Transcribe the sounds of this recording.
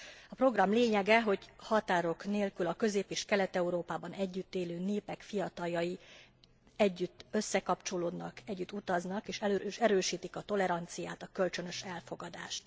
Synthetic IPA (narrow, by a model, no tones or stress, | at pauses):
ɒpro̞ɡrɒmleːɲɛɡɛɦo̞ɟhɒt̪aːɾo̞kneːlkylɒkø̞zeːpeːʃkɛlɛt̪ɛuɾoːpaːbɒnɛɟːyt̪ːeːløːneːpɛkfijɒt̪ɒljɒji | ɛɟːyt̪ːø̞sːɛkɒpt͡ʃo̞loːd̪nɒkɛɟːyt̪ːut̪ɒznɒkeːʃɛløʃɛɾøːʃiːt̪ikɒt̪o̞lɛɾɒnt̪sijaːt̪ɒkø̞lt͡ʃø̞nø̞ʃɛlfo̞ɡɒd̪a̰ːʃt̪